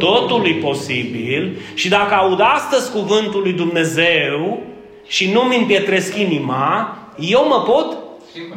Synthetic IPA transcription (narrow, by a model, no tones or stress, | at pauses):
t̪o̞t̪ulujpo̞sibilʃid̪akəaud̪ast̪əzʲkuvɨnt̪ulːujd̪umne̞zew | ʃinumimpje̞t̪ɾe̞skʲinima | je̞wməpo̞t̪